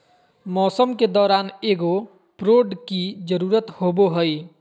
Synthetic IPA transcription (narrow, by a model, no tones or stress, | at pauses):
mɔsʌmked̪ɔɾaneɡo | pɾoɖkid͡ʒʌɾuɾʌt̪hoboɦoj